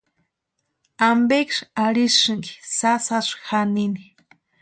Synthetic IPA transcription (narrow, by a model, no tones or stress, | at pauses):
ambekʃaɾisʃɨŋki̥sasaʂxanini̥